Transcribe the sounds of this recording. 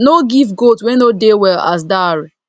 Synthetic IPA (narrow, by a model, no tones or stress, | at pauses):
noɡivɡotwɛ̃nodewɛla̰s̬daɾi